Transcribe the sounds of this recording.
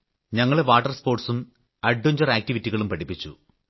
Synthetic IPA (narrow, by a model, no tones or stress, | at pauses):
ɲɐŋːɐɭeʋaːʈːɐrspo̞ːrʈsum | ɐɖːuɲd͡ʑɐɾaːk̚tiʋitːiɣɐɭumpɐɽipːit͡ɕːṵ